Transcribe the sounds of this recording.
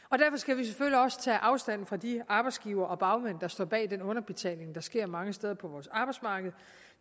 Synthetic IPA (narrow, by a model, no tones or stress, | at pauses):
ɒ̽d̥æɐfɒ̽sɡ̥æʋis̬eføliɒ̽sə̥t͡sʰɛ̰ːʔɑ̈ʊsd̥æn̰n̩fʁɑ̈d̥iɑ̈ːb̥ɑ̈ɪd̥sɡ̥iːʊɐːʔɒ̽b̥ɑ̈ʊmen̰d̥ɑ̈sd̥ɒ̰ːb̥ɛ̰ːd̥enɔ̽nɐb̥e̝t͡sʰɛ̰ːle̝ŋd̥ɑ̈sɡ̥e̝ɐ̰mɑ̈ŋəsd̥eð̞ˠɐpʰɒ̽ʋɒːsɑ̈ːb̥ɑɪdsmɑ̈ːɡ̥əð̞̩ˠ